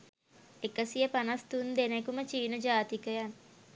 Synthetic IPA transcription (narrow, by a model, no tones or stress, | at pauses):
ekəsijəpanɐst̪und̪enekumət͡ʃiːnɐd͡ʒaːt̪ikəjan